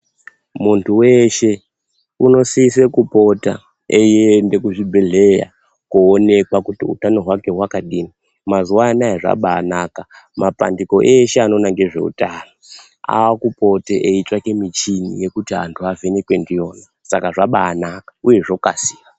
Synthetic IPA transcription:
muntʰuwe̞ʃe̞ | uno̞siise̞kupo̞ta̰ | ejiende̞kuʐibʱeɮe̞ja̰ | kuone̞kwakutiṵtano̞ɦwake̞ɦwakaɗini | mazuwaːnajeʐa̰ɓaːnaːka | mapa̰ndiko̞ʔeʃeano̞naŋɡe̞ʐe̞̰ṵtaːno | a̰wakupo̞teʔeit͡ʃwake̞mit͡ʃinḭje̞kutiɦa̰ntʰuavenekwe̞ndijo̞ːna | sakaʐaɓaːnakḁuje̞ʐo̞kasi̥ːwa

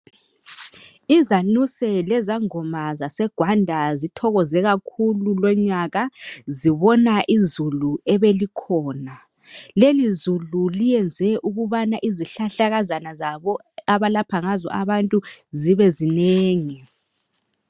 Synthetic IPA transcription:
izanusɛlɛzaŋɔmazasɛɡ̥ʱwandʱazitʰɔɣɔzɛɣakʰululɔɲaɣaziβɔnaʔizuluɛβelikʰɔːna | lelizululijɛnd͡zʱɛʔuɣuβanaʔiziɬaɬaɣazanazaβɔ | aβalapʰaŋazɔ̰ʔaβantʼuziβɛzineːŋi

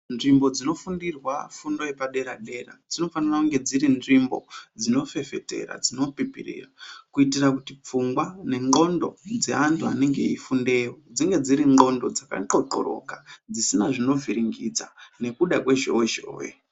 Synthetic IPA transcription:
nʐimbo̞d͡zino̞fundirwafundo̞epaɗe̞ɾaɗe̞ra̰d͡zino̞fanirakuŋɡe̞d͡ziɾinʐimbo̞̰d͡zino̞fe̞fe̞te̞̰ra̰d͡zino̞pipḭrḭːrakuitirakutip͡fuŋɡwane̞ŋɡo̞ndo̞d͡ze̞antua̰neŋɡe̞̰ifunde̞ːwod͡ziŋɡe̞d͡ziɾiŋ͡ǃo̞ndo̞d͡zaka̰ǃo̞ǃo̞̰ɾo̞̰kad͡zisinaʐino̞viɾiŋɡid͡zane̞kuɗakwe̞ʒo̞̰we̞ʒo̰ːwḛ

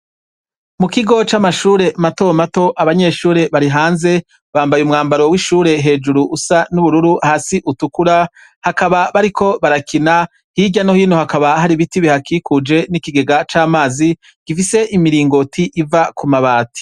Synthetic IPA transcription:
mukiɡo̞t͡ʃamaʃuːɾe̞mato̞mato̞ʔaβaɲe̞ʃuːɾe̞βaɾiɦaːnze̞ | βaːmbajumŋaːmbaɾowiʃuːɾe̞ɦe̞ːd͡ʒuɾuʔːsanuβuɾuɾuahaːsiʔutukuɾa | hakaβaβaɾikʰo̞βaɾakina | hiɟano̞hiːno̞hakaβahaɾiβitiβihakikud͡ʒe̞nikiɡe̞ɡat͡ʃaːmaːzi | ɡ̥ifise̞ʔimiɾiːŋɡo̞tʰiʔivakumaβaːti̥

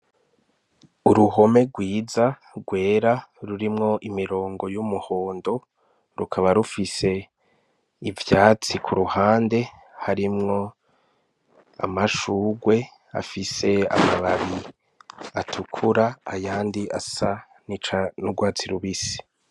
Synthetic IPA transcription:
uɾuɦo̞me̞ɡwiːza | ɡwe̞ːɾaɾuɾimŋo̞ʔimiɾo̞ːŋɡo̞jumuho̞ːndo̞ | ɾukʰaβaɾufise̞ | ivjaːt͡sikʰuɾuhaːnde̞ | haɾimŋo̞ | a̰maʃuːɡwe̞ | a̰fise̞a̰maβaβi | atʰukʰuɾaːjaːndiʔasa | nit͡ʃanuɡwaːt͡siɾuβisi̥

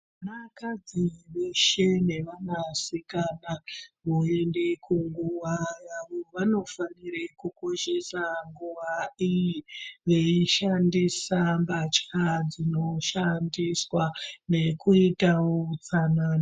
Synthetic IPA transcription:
anakad͡ziʋe̞ʃe̞ne̞ʋanasikanaʋoe̞ndekuŋɡuʋajaʋoʋano̞faniɾekuko̞ʃe̞saŋɡuʋaijiʋe̞iʃandisambat͡ʃad͡zino̞ʃandiswane̞kuitaot͡sanano

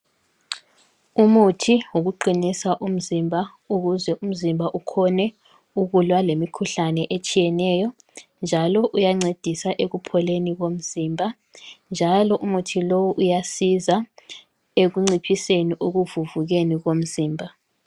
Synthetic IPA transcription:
umutʰiwuɣuǃinisaʔum̩zimbʱa | uɣuzɛʔum̩zimbʱaʔukʰɔnɛ | uɣulwalemikʰuɬanɛʔet͡ʃʼijɛnɛjɔ | nd͡ʒʱalɔʔujaŋ͡ǀed̥ʱisaʔeɣupʰɔleniɣom̩ziːmbʱa | nd͡ʒʱalɔʔumutʰilowuʔujasiza | eɣuŋ͡ǀipʰiseniʔuɣuvuvuɣeniɣom̩ziːmbʱa

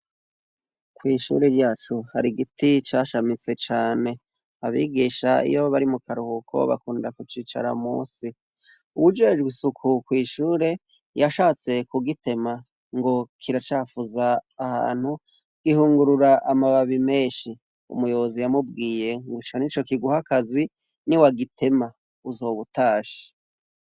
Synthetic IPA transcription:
kwiːʃṵːɾeɾjaːt͡ʃuhaɾiɡitit͡ʃaːʃamit͡se̞t͡ʃaːne̞ | aβḭːɡiʃaḭjoβaɾimukaɾuhukʰo̞̰βa̰kuːndakut͡ʃiːt͡ʃa̰ɾa̰mṵːsi | uβud͡ʒe̞d͡ʒɡwisukʰukwiːʃuːɾe̞ | jaʃaːt͡se̞kuɡite̞ma | ŋɡo̞kʰiɾat͡ʃaːfuzaːha̰ːn̥hu | ɡ̥ihuːŋɡuɾuɾaʔamaβaβime̞ːʃi | ṵmujo̞βozijamub̚ɡiːje̞ŋɡut͡ʃanit͡ʃo̞kiɡuhakazi | niwaɡitʰe̞ma | uzo̞ːβutaːʃi̥

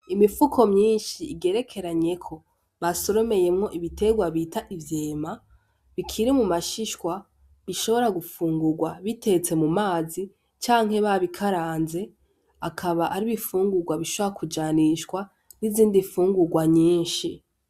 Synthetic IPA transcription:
imifukʰo̞mɲiːnʃiːɡe̞ːɾe̞kʰe̞ɾaɲe̞kʰo̞ | βaso̞ɾo̞me̞je̞mŋo̞ʔiβite̞ɡwaβitaʔivjeːma | βikʰiɾimumaʃiʃkwa | βiʃo̞βo̞ɾaɡufuːŋɡuɡwaβite̞t͡se̞mumaːzi | t͡ʃaːŋ̥ɦe̞βaβikʰaɾaːnze̞ | akʰaβaʔaɾiβifuːŋɡuɡwaβiʃoβoɾakud͡ʒaniʃkwa | niziːndifuːŋɡuɡwaɲiːnʃi

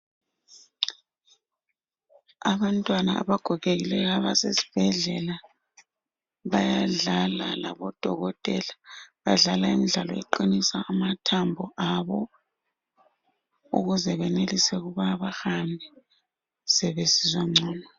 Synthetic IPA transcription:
aβantʼwana̰a̰βaɡ̥ʱɔɣeɣilɛɣaβasesi̥b̥ʱɛɮɛla | βajaɮala̰la̰βɔd̥ʱɔɣɔtʼɛlaβaɮalaimiɮalɔɛ̰ǃinisaʔːmatʰambʱɔʔaβɔ | ṵɣuzɛβɛnelisɛɣuβaβaxambʱɛ | sɛβesizaŋ͡ǀɔːnɔ

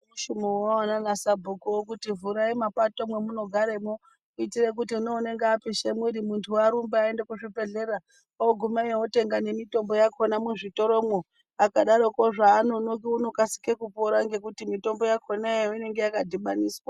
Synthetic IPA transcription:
uʃumowawananasabʱokowokutivuɾaimapatomwe̞muno̞ɡʱaɾemo | uitirek̬utiunoune̞ŋɡeapiʃemwiɾimuntʰuaɾumbeaendekuʐipe̞ɮeɾa | oɡʱumajewote̞ŋɡane̞mito̞mbo̞jakʰo̞namuʐito̞ɾo̞mo | akaɗaɾo̞koʐaːnonokiuno̞kasi̥kekupoɾaŋɡe̞kutimito̞mbo̞jakʰo̞najoine̞ŋɡe̞jakadʱiɓaniːswa

